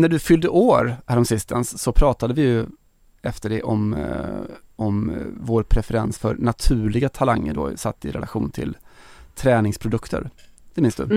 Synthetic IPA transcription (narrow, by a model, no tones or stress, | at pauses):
næɖɵfʏld̪əʔoːɾhæːɾɔmsɪst̪ʰənssɔpʰɾɑːt̪ad̪əvɪjɵ | ɛft̪əɖɛʔɔm | ɔmvoːɾpʰɾɛfɛɾɛnsfœɾnat̪ʰʉ̟ːɭɪɡat̪ʰalaŋːə̰ɖo̰ːsat̪ːɪ̰ɾɛ̰laɧuːnt̪ʰɪ̰lt̪ʰɾɛːnɪŋspʰɾʊd̪ɵkt̪ʰə̰ɾd̪̥ɛmɪnsd̪ɵ̰